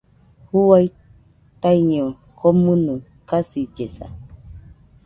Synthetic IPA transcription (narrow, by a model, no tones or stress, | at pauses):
huaj | t̪ajɲo | kʰomɨ̃nũ | kasid͡ʒesa̰